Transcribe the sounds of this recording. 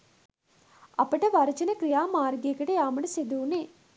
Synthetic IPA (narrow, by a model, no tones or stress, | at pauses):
ɐpɐʈɐʋɐɾɐt͡ʃɐnɐkɾijaːmaːɾɡeːkɐʈejaːmɐɽɐsed̪uːneː